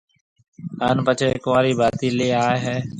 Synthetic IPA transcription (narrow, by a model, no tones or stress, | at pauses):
aːnpət͡ʃʰekʋaːɾiːbaːt̪iːleːaːeɦɛː